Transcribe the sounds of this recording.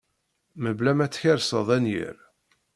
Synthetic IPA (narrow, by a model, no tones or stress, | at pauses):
məblæmæt͡sːçəɾsəðˤænjə̰ɾ